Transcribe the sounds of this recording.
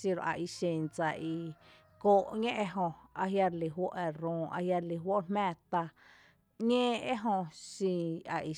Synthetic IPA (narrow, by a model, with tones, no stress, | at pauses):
si˧ɾo̰˨ʔa̰˨ʔi˧ʃẽ˨nt͡sa˧ʔi˧ | koː˧˨ʔŋẽ˦ʔe˧ɦõ˧a˧ɦja˧ɾli˧˨ɦwo̰˦ʔe˧ɾõː˨˧ʔa̰˧hja˧ɾli˧˨ɦwo˦ʔmɛ̃ː˧˨t̪a˧ | ɲẽː˦e˦ɦõ˧ʃĩ˧a˨ʔi˧